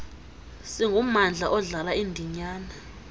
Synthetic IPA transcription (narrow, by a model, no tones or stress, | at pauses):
siŋɡʱumand͡ɮʱaʔɔɮalaindʱiɲaːna